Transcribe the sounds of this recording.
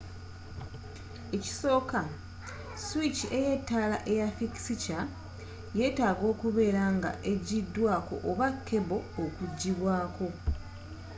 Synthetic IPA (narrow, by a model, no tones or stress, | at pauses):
e̞ci̥so̞ːka | swit͡ʃie̞jetːaːlaʔe̞jafiksica | je̞ːtaːɡo̞ːkuβe̞ːɾaŋɡa̰ʔe̞ɟidːwaːko̞̰ʔːβakʰːe̞βo̞ːkuɟːiβwaːko̞